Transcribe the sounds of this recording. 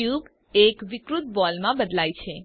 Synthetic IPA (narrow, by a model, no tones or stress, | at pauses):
jub | ekʋɪkɾut̪̚bɔlmãbəd̪lajt͡ʃʰe